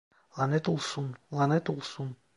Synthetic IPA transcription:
lˠɑnɛt̪ulˠsunlˠanɛt̪ulˠsun

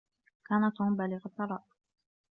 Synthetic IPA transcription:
kaːnat̪ʊmbalɪɣat̪ːɑɾˤɑːʔ

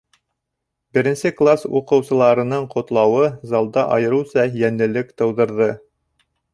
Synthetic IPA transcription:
bɘ̆ɾɘ̆nsɘklˠasuqɤ̆wsɤ̆lˠɑɾɤ̆nɤɴqŏt̪lˠɑwɤzɑlˠd̪ɑʔɑjɤ̆ɾɤwsɑjænɘ̆lɘkt̪ɤ̆wðɤ̆ɾðɤ

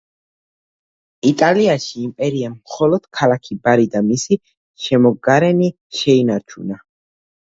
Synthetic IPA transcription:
it̪ʼaliaʃiːmpʼɛɾiamχɔlɔd̪̥kʰalakʰibaɾid̪amisi | ʃɛmɔɡaɾɛni | ʃɛinaɾt͡ʃʰuna

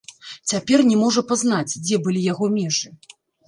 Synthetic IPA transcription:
t͡sʲapʲɛrnʲɛmɔʐɐpazn̪at͡sʲd͡zʲɛbɨlʲijaɣɔmʲɛʐɨ

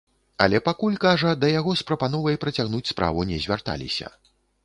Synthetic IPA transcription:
a̰lʲɛpakulʲkaʐɐd̪ɐjaɣɔspɾɐpanɔvɐjpɾɐt͡sʲaɣnut͡sʲspɾa̰vunʲɛzʲvʲart̪a̰lʲḭsʲɐ̰

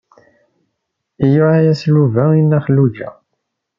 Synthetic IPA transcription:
ijuʕajæsluvæinːæχəlːud͡ʒæ̰

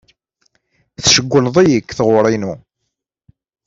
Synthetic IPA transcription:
θʃəɡʷːəlðˤijəkːθʁʊɾˤinu

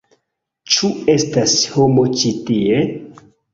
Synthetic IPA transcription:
t͡ʃue̞stasho̞mo̞t͡ʃitie̞

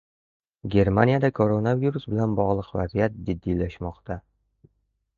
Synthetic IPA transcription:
ɡʲe̞ɾmanijad̪akʰoɾonaviɾusbɪlanbɒʁlˠɨqva̰zijat̪̚d͡ʒɪd̪ːilaʃmɒqt̪ʰa

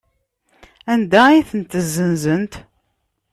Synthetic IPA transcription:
ænd̪æiθənt̪əzːənzənt̪

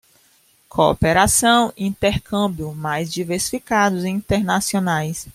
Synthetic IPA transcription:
kʰoo̰peɾasɐ̃w̃ĩt̪eɾkɐ̃bjʊmajzd͡ʒiveɾsi̥fikad̪ʊziĩnt̪eɾnasionajs

